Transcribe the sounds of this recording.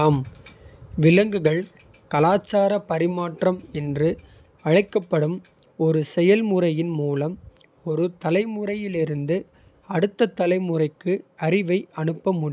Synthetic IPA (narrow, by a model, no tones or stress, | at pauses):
m | ʋɪlɐŋɡɯɣɐɭ | kɐlaːt͡ʃːaːɾɐpɐɾɪmaːʈrɐmɛndrɯ | ɐɻɐɪkːɐpːɐɽɯm | ɔɾɯsɛjɐlmʊrɐjɪnmuːlɐm | ɔɾɯt̪ɐlɐɪmʊrɐjɪlɪɾɯnd̪ɯ | ɐɽɯt̪ːɐt̪ːɐlɐɪmʊrɐɪkːɯɐɾɪʋɐɪɐnɯpːɐmʊɽ